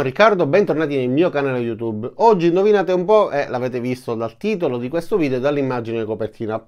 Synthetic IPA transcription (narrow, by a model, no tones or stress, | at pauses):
rikːard̪obɛnt̪ornaːt̪inelmiːokanaːlejut̪ubɔd͡ʒːinovinaːt̪eumpɔʔelaveːt̪evist̪od̪alt̪iːt̪olod̪ikwest̪oviːd̪eod̪alːimːad͡ʒinekopert̪ʰiːna